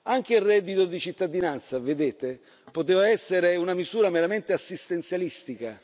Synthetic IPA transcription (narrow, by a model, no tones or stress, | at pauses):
aŋk̟eilrːɛd̪ːit̪od̪it͡ʃit̪ːad̪inant̪saved̪eːt̪e | pot̪eːvaɛsːeɾeunamizuːɾameɾament̪easːist̪ent̪sjalist̪ika